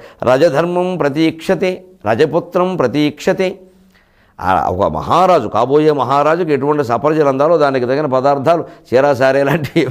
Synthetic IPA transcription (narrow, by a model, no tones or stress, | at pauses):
ɾʔa̰ːd͡ʒɐd̪ʱɐɾmɐmpɾɐt̪iːkʂɐt̪iɾɐ̰d͡ʒɐput̪ɾɐmpɾɐt̪iːkʂɐt̪i | a̰ɔ̰kɐ̰mɐ̰ɦaːɾaːd͡ʒuka̰ːbo̞ːjeːmɐɦaːɾaːd͡ʒukueʈuʋɐɳʈisɐpɐɾɐd͡ʒɐlɐnt̪aːlo̞ːd̪aːnikid̪ɐkːɡɐnɐpɐd̪aːɾt̪ʰaːlut͡ʃɛːɾaːs̬aːɾeːlaːɳʈi